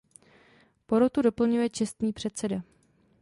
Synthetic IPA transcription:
po̞ɾot̪udo̞pl̩ɲujɛt͡ʃɛst̪niːpr̝̥ɛt̪sɛda

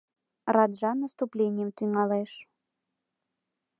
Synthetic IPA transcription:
ɾad̪ʐanɐst̪uplʲenʲːɛmt̪ɨmalˠɛʂ

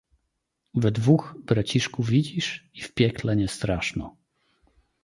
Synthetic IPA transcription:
vɛd̪vuxbɾat͡ɕiʂkuvʲid͡ʑiʂifpʲjɛklɛɲɛst̪ɾaʂnɔ̰

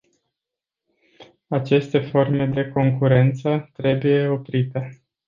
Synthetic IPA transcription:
at͡ʃe̞st̪e̞fo̞rme̞d̪e̞ko̞ŋkuɾe̞nt̪sət̪ɾe̞buje̞o̞pɾit̪e̞

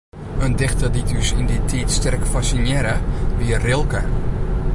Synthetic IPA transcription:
əndɪxtəditysɪnditʰitstɛrkfasinjɛɾəʋiərɪlˠkə

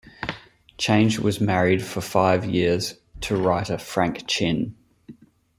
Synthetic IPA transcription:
t͡ʃʰẽɪ̃nd͡ʒwɒ̰zmæɹɪd̥fəfaɪvjɪəz̥ | tʰəɹaɪtəfɹæ̃ŋkt͡ʃʰɪ̃n

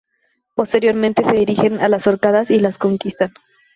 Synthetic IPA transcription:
po̞st̪e̞ɾjo̞ɾmẽnt̪e̞se̞ðiɾixe̞nalaso̞ɾkaðasilasko̞ŋkist̪an

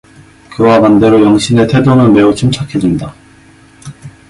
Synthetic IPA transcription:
kɯwapande̞ɾojʌŋɕʰine̞tʰe̞donɯnme̞ut͡ɕʰɯmt͡ɕʰakʰed͡ʑinda

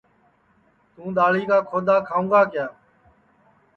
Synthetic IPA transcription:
t̪ũːɗ̪aːliːkaːkʰoːd̪aːkʰaːũːɡaːkɪjaː

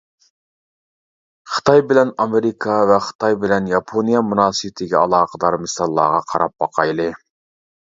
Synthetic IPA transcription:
χə̥t̪ʰɑjbɪlɛnɑmeɾɪkʰɑvɛχə̥t̪ʰɑjbɪlɛnjɑpʰonijɑmunɑːsɨbɪt̪ʰɪɡʲɛɑlˠɑːqʰəd̪ɑɾmɨsɑlˠːɑ̰ːʁɑqʰɑɾɑp̚bɑqʰɑjlˠɨ

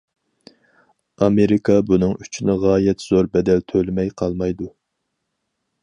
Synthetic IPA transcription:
ɑmeɾɪkʰɑbunɨŋy̥t͡ʃʰinɪʁɑːjɛt̪z̥oɾbɛd̪ɛlt̪ʰølɪmɛjqʰɑlˠmɑjd̪u

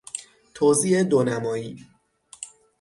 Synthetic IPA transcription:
t̪ʰoːziːed̪onæmɒːjiː

